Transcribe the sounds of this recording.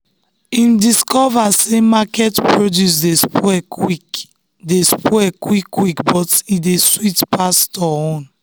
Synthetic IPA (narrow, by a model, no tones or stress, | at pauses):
ĩndiskɔvasemakɛtpɹodjus̬despɛik | despɛkwikːwikbɔtideswitpastɔɔ̃n